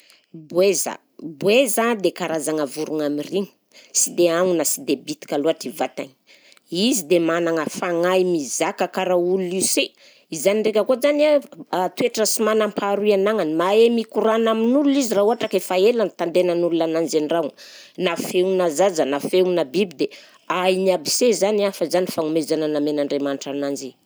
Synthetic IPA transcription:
bweza̰ | bwezand̪ekaɾazaŋəvuɾuŋamiriɲə | sid̪eaŋunəsid̪ebit̪i̥kʲaloaʈ͡ʂivat̪a̰ɲ | izid̪emanaŋəfaŋajmizakəkaɾaululise | izaniɳɖ͡ʐekʲəkozanat̪ueʈ͡ʂəsimanampʰaɾuianaŋanimaemikuɾanaminululizirauɦaʈ͡ʂakefaelanit̪and̪enanululanand͡ʒenira | nafeunazad͡zənafeunəbibid̪e | ajniabisezaniafəzanifaŋumezanənamenaɳɖ͡ʐemanʈ͡ʂanand͡ʒi

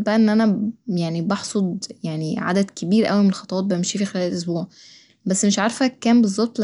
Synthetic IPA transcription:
bæʔæʔenːʔænæjaʕnibɑħsˤod̪jaʕniʕa̰d̪æd̪kebiːɾʔæ̰wimenelxɑt̪ˤɑwɑːt̪̚bæmʃiːfixelæːlʔos̬buːʕ | bæsːmeʃʕɑɾˤfækːæːmbezˤːɑb̚t̪ˤl

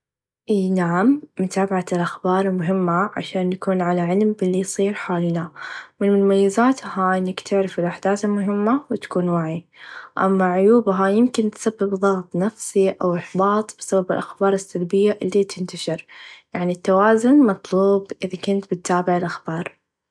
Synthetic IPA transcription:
ʔiːnaʕamːʊt̪aːbaʕalʔaxbɑːɾˤmʊɦɪmːaʕa̰ʃaːnːakuːnʕalaʕɪlmbɪlːijsˤiːɾħaːlnamɪnmʊnmajːazaːt̪haʔɪnːakt̪ʰɪʕɾɪfɪlʔaħd̪aːθɪlmʊɦɪmːawɪt̪ḁkuːnwaʕiʔa̰mːaʕʊjuːbɦajɪmkɪnt̪sabːɪbðˤɑːɣt̪ˤnafsiʔawɪħbɑːt̪ˤb̥ɪsababɪlʔaxbɑːɾˤɪsːalbɪjːaʔɪlːit̪ʰɪnt̪aʃɪɾjaʕnit̪ːawaːzʊnmɑt̪ˤluːbʔɪðakʊnt̪bɪt̪ːaːbɪʕɪlʔaxb̥ɑːɾˤ

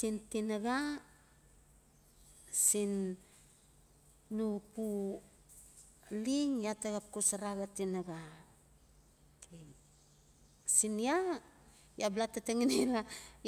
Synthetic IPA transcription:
sintinaɡa | sin | upu | liŋjataɡap̚kusaɾaɡatinaɡa | i | sinia | jablatateŋinela

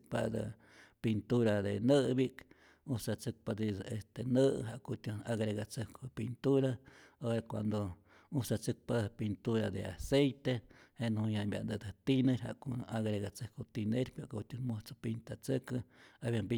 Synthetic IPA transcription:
pa̰d̪ɨ̰ | pint̪uɾad̪enɨbik | ut͡sat͡sɨk̚pad̪id̪est̪enɨɦaʔkot̪ʲunaɡɾeɣat͡sɨkopint̪uɾaoɾakwa̰nd̪o | usat͡sɨk̚papint̪uɾa̰d̪ḛa̰sejt̪ehenhujabʲja̰ʔ̪d̪ɨd̪ɨt̪inɨɾha̰ʔkoaɡɾeɣat͡sɨhkot̪ineɾpaʔkot̪ʲunmuht͡so̥pint̪at͡sɨkɨabβjambi

